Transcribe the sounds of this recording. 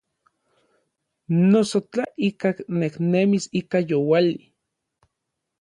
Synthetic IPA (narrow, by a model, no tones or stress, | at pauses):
nosot͡ɬaikakneknemisikajowali